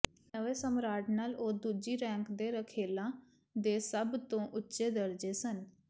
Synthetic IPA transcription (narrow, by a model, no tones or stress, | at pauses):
nəʋeːsəmɾaːʈnaːloːd̪uːd͡ʒiːɾɛ̃ːŋkd̪eːɾəkʰeːlãː | d̪eːsəbt̪õːʔʊtːʃeːd̪əɾd͡ʒeːsən